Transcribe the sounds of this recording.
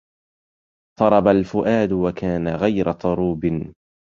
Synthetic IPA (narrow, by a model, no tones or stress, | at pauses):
t̪ˤɑɾˤɑbalfʊʔaːd̪wakaːnaɣajɾat̪ˤɑɾˤuːbɪ